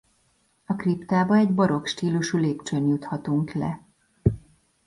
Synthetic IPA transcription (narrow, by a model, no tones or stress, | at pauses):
ɒkript̪aːbɒɛɟbɒɾo̞kʃt̪iːluʃuleːpt͡ʃønjut̪hɒt̪uŋklɛ̰